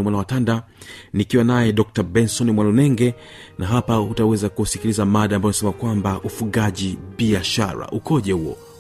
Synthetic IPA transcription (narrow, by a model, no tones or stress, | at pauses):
mwanawatanda | nikiwanajɛɗɔk̚tabɛnsɔnimwanunɛŋɡɛ | nʔaɦapautawɛzakusikilizamaɗaːmbajɔnasɛmakwambaʔufuɠaʄibiaʃa̰ɾa̰ʔukɔʄɛhuɔ̰